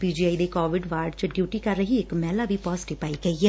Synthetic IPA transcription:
piːd͡ʒiːaːiːd̪eːkɔːʋɪɖʋaːɾɖt͡ʃəɖjuːʈiːkəɾːəɦiːɪkmɛːlaːʋiːpɔːzɪʈipaːiːɡəiːɛː

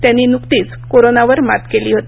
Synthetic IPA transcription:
t̪jãnːinukt̪iːt͡s | koɾonaʋəɾma̰t̪keliːɦot̪i

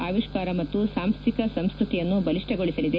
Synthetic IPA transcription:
aːʋiʂkaːɾɐmɐt̪ːusaːmst̪ikɐsɐmskɾut̪ijɐnːubɐliʂʈeɡoɭisɐlid̪e

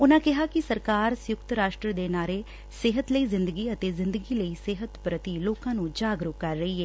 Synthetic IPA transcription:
ʊnãːkɪɦaːkɪsəɾkaːɾsjʊkt̪ɾaːʃʈɾəd̪eːnaːɾeː | sɪɦət̪ləiːzɪ̃nd̪əɡiːət̪eːzɪ̃nd̪əɡiːləiːsɪɦət̪pɾət̪iloːkãːnũːd͡ʒaːɡɾʊkəɾːəiːɦɛː

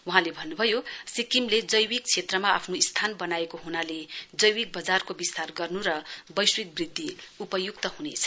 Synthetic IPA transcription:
wuɦãlebʱʌnːubʱʌjosikimled͡zʌjwik̚t͡sʰet̪rʌmaapʰnoist̪ʰanbʌnaekoɦunaled͡zʌjwik̚bʌd͡zarkobist̪arɡʌrnuɾʌbʌjswit̪̚brid̪ʱːiupʌjukt̪ʌɦunet͡sʰʌ̥

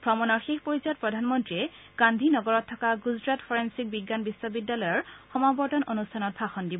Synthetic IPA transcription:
pʰɹɔmɔnɔɹxexpɔɹizɔt̚pɹɔdʱanmɔntɹiɛ | ɡ̥andʱinɔɡɔɹɔtʰːɔkaɡuzɹatpʰɔɹensik̚biɡːanbisːɔbidːalɔjɔɹxɔmabɔɹtɔnʔonustʰanɔt̚bʱaxɔndibɔ

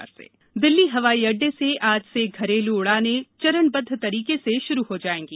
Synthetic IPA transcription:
ɾsḛː | d̪ɪlːiɦɐʋaːiɐɖːeseʔaːd͡ʒseɡʱɐɾeːluʊɽanet͡ʃɐɾəɳbɐd̪ʱːt̪ɐɾiːkeseʃʊɾuɦod͡ʒaːẽːŋɡiː

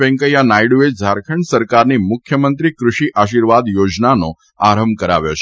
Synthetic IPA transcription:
ɛ̃ŋkəjanajɽued͡ʒʱaɾkʰəɳɖsəɾkaɾnimʊkʰjəmənt̪ɾikɾuʃiʔʔaʃiɾʋad̪jod͡ʒnano | aɾəmkəɾa̰ʋjot͡ʃʰ

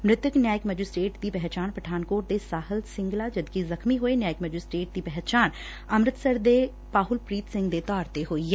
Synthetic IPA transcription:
mɾɪt̪əknjaːjɪkməd͡ʒɪsʈeːʈd̪iːpɛɦt͡ʃaːnpɾəʈʰaːnkoːʈd̪esaːɦəlsɪ̃ŋɡlad͡ʒɐd̪kizɐxmiɦoːenjaːjɪkmɛd͡ʒɪsʈeːʈ̚d̪iːpɛɦt͡ʃaːn | ɐmɾɪt̪səɾd̪eː | paːɦʊlpɾiːt̪sɪ̃ŋɡd̪et̪ɔːɾt̪eɦoːiɛː

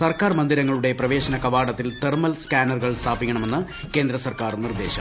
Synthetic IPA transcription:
sɐrkaːrmɐnd̪iɾɐŋːɐɭuɽe̞prɐʋe̞ːɕɐnɐkɐʋaːɽɐt̪ːilt̪ermɐlskaːnɐrɣɐɭst̪ʰaːbikʲːɐɳɐme̞nːɨ | ke̞ːnd̪ɾɐsɐrkaːrnird̪e̞ːɕɐ̰m

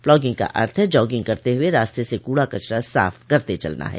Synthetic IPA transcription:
plɔːɡɪ̃ŋɡka̰ʔɐ̰ɾt̪ʰəd͡ʒɔːɡɪ̃ŋɡkɐɾt̪eɦʊeɾaːst̪esekuːɽakɐt͡ʃɾasa̰ːfkɐɾt̪et͡ʃɐ̰lna̰ɦɛ̰ː

